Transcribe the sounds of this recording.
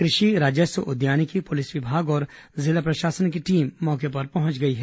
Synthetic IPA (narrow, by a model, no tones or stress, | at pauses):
kɾɪʃiɾaːd͡ʒəsəʔʊd̪jaːnikipʊlɪsʋɪbʱaːɡɔːɾzɪlapɾɐʃaːsənkiʈiːmːɔːkepɐɾpɐɦʊ̃t͡ʃɡɐiɦɛ